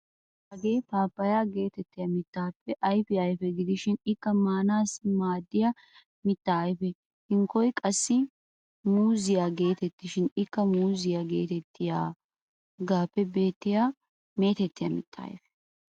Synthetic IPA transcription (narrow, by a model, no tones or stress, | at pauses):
hɐɡe̞ːpaːpːɐjaːɡe̞ːt̪ɛt̪ːɪjɐmɪt̪ːaːpːɛʔɐjfɪɐjfɛɡɪd̪ɪʃɪnɪkːɐmaːnaːsɪmaːd̪ːɪjɐ | mɪt̪ːaːjfɛ | hɪŋkɔjkʼɐsːɪ | muːzɪjaːɡe̞ːt̪ɛt̪ːɪʃɪnɪkːɐmuːzɪjaɡe̞ːt̪ɛt̪ʰːɪjaː | ɡaːpːɛbe̞ːt̪ːɪja | me̞ːt̪ɛt̪ːɪjɐ̰mɪ̰t̪ːa̰ːjfɛ̥